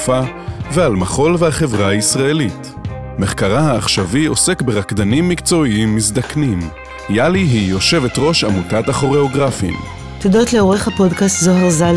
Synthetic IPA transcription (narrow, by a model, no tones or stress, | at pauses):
favealmaχo̞lvehaχe̞vʁaaisʁae̞lit | me̞χkaʁahaːχʃavio̞se̞kbe̞ʁakdanimːikt͡so̞iimːisdaknim | jaliɦijo̞ʃe̞ve̞tʁo̞ʃamutataχo̞ʁe̞o̞ɡʁafḭm | t̪odotleoʁeχhapo̞dkastzoɦeʁzal